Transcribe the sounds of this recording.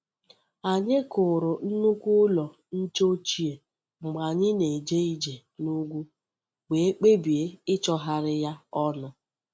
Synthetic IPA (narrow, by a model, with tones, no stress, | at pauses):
a˨ɲɪ˦kʊ˨ɾʊ˨n̩˦nu˦kʷʊ˦lɔ˨ | n̩˦t͡ʃo˦t͡ʃi˦e˨ | ŋ͡m̩˨ɡ͡ba˨ɲɪ˦ne˨d͡ʒe˦i˦d͡ʒe˨ | nu˦ɡʷu˦ | ɡ͡be˨e˦k͡pe˦bi˨e˦ɪ˦t͡ʃɔ˦ɦa˦ɾɪ˦ja˦ɔ˦na˦